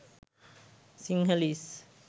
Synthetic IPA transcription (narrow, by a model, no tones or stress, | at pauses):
siŋɦəlis